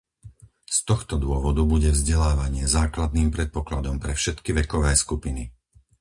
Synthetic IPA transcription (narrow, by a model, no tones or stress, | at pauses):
st̪ɔxt̪ɔd̪ʊɔʋɔd̪ubuɟɛvzɟɛlaːʋaɲɪɛzaːklad̪̚niːmpɾɛt̪̚pɔklad̪ɔmpɾɛfʃɛt̪kiʋɛkɔʋɛːskupini